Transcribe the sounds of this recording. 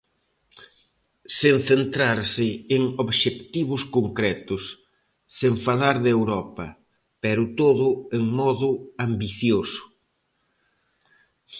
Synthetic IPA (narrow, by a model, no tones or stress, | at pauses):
senθent̪ɾaɾsɪeŋoβʃekt̪iβʊskoŋkɾɛt̪ʊsː | eɱfalaɾðewɾɔpɐ | pɛɾʊt̪oðʊeŋmɔðʊambiθjosʊ̥